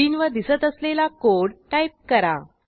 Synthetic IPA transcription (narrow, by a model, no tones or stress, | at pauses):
iːnʋəd̪isət̪əslelakoɽʈajp̚kəɾa̰